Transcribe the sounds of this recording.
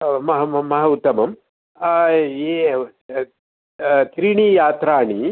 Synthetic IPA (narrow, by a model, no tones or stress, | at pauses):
mɐɦɐmɐɦɐut̪ːɐmɐm | e | t̪ɾiːɳiːjaːt̪ɾaːɳi